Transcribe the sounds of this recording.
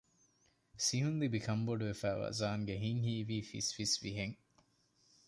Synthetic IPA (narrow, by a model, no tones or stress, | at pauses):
siɦund̪ibikʰɐmboɖuʋefæːʋa̰ːzaːŋɡeɦiŋhiːʋiːfḭsfisʋiɦeŋ